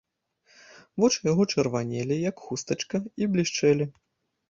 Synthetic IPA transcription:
vɔt͡ʂɨjaɣɔt͡ʂɐrvanʲelʲijɐkxust̪ɐt͡ʂkɐiblʲiʂt͡ʂɛlʲi

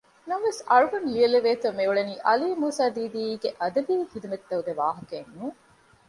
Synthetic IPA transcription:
nɐmʋesɐɻuɡɐnlijɐleʋeːt̪ɐmeuɭɐniːʔɐliːmuːsaːd̪iːd̪iːɡeʔɐd̪ɐbiːhid̪umɐt̪ːɐuɡeʋa̰ːɦɐkenːuː

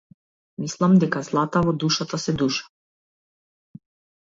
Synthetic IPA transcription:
mislˠamd̪ɛkazlˠat̪avɔd̪uʃat̪asɛd̪uʃḁ

